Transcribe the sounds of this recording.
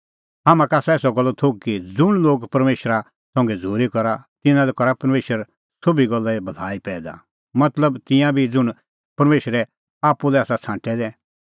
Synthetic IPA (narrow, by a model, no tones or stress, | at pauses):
ɦaːmãkaːsaeːsɔɡɔlːɔt̪ʰokːid͡zʊɽ̃loːɡpɐɾmeːʃɾa | sɔ̃ːŋɡɛd͡zʱuːɾikɔɾat̪ɪ̃nãlɛkɔɾapɐɾmeːʃəɾ | sobʱiɡɔlːaibʱɐl̤aːipɛːd̪a̰ | mɐt̪ləbt̪ɪ̃jãbʱid͡zʊɽ̃ | pɐɾmeːʃɾɛ | aːpːulɛaːsat͡sʰãːʈɛd̪ɛ̃